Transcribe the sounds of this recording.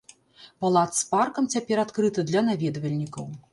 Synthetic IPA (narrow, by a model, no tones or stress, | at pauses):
palˠat̪sparkɐmt͡sʲapʲɛɾat̪kɾɨt̪ɨd̪lʲɐnavʲɛd̪vɐlʲnʲikɐw